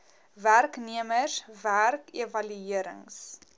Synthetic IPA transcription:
værkniəməsværkevɐlyiəɾə̰ŋs

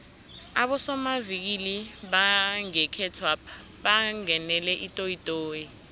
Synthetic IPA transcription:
aɓɔsɔmavik̬iliɓaŋɛkʰɛtʰwapʰa | ɓaŋɛnɛlɛʔitʼoitʼoːji

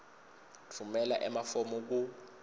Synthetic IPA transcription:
tʰumɛlaʔɛmafɔmɔk̬u

